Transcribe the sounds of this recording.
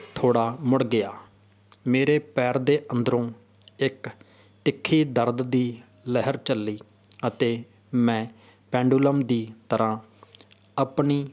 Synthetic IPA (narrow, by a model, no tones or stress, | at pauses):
t̪ʰoːɽaːmʊɽɡɪaː | meːɾeːpɛːɾd̪eːʔənd̪əɾõː | ɪk | ʈɪkʰːiːd̪əɾd̪d̪iː | ləɦəɾt͡ʃəlːiː | ət̪eː | mɛ̃ː | pɛ̃ːɳɖuːləmd̪iːt̪əɾʔãː | əpɳiː